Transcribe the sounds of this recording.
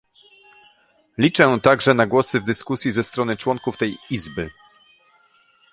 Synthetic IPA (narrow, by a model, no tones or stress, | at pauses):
lʲit͡ʂɛt̪aɡʐɛnaɡwɔsɘvd̪ɘskusʲjizɛst̪ɾɔnɘt͡ʂwɔŋkuft̪ɛjizbɘ